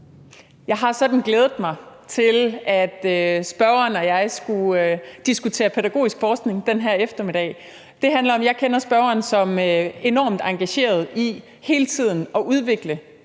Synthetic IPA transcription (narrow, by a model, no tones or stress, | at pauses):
jɑ̈ɪɦɑ̈sɒ̽d̥n̩ɡ̥leːð̞ˠð̩ˠmɑ̈ɪt͡sʰe̝læd̥øsb̥ɶɐɐnɒjɑ̈ɪsɡ̥uød̥isɡ̥ut͡sʰe̝̰ːɐpʰeɾæɡ̥o̝̰ːisɡ̥fɒːsɡ̥ne̝ŋd̥enɦæɐefd̥ɐmeɾɛ̰ɪ | d̥e̝ɦænlɐɒ̽mjɑ̈ɪkʰenɐsb̥ɶɐɐːnsɒ̽møe̝nɒ̰ːmd̥ɑ̈ŋɡ̥æɕe̝̰ːɐð̞̩ˠi | he̝ːlət͡sʰið̞̰ˠn̩ɒ̽ʔuð̞ˠʋe̝ɡ̥lə